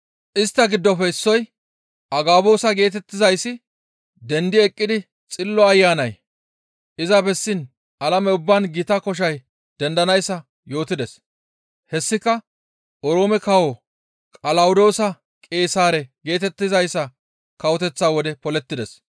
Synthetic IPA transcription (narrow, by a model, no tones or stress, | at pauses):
ʔɪst̪ːɐɡɪd̪ːɔfɛɪsːɔj | ʔɐɡaːbo̞ːsɐɡe̞ːt̪ɛt̪ːɪzɐjsːɪ | d̪ɛnd̪ɪɛkʼːɪd̪ɪ | t͡sʼɪlːɔɐjːaːnɐj | ʔɪzɐbɛsːɪn | ʔɐlɐmɛʊbːɐnɡɪt̪ɐkɔʃ̬ɐj | d̪̥ɛnd̪ɐnɐjsːɐ | jo̞ːt̪ɪd̪ɛs | hɛsːɪkːɐ | ʔɔɾo̞ːmɛkɐwo | kʼɐlɐwʊd̪o̞ːsɐ | kʼe̞ːsaːɾɛɡe̞ːt̪ɛt̪ːɪzɐjsːɐ | kɐwɔt̪ɛt͡sːaːwɔd̪ɛpɔlɛt̪ːɪd̪ɛs